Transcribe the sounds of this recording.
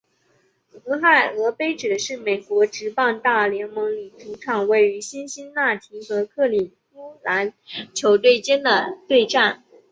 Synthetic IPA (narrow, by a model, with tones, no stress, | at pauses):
xɤ˧˥xa˥˩ɪɤ˧˥pe˥ɪʈ͡ʂɻ̩˨˩ʂɻ̩˥˩me˨˩ɪkwɔ˧˥ʈ͡ʂɻ̩˧˥pɑ˥˧ŋt̪a˥˩ljɛ˧˥nmɤ˧˥ŋli˨˩ʈ͡ʂʰu˧˥ʈ͡ʂʰɑ˨˩ŋwe˥˩ɪy˧˥ɕi˥nɕi˥nna˥˩t̪ʰi˧˥xɤ˧˥kʰɤ˥˩li˨˩fu˥la˧˥nt͡ɕʰjo˧˥ʊt̪we˥˩ɪt͡ɕjɛ˥nd̪ə˨t̪we˥˧ɪʈ͡ʂa˥˩n